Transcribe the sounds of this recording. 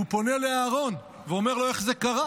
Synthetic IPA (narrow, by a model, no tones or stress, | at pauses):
upo̞ne̞le̞aːʁo̞n | veo̞me̞ʁlo̞eχzekaʁa